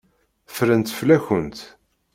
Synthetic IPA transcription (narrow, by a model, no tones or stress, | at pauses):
fɾənt̪flæçənt̪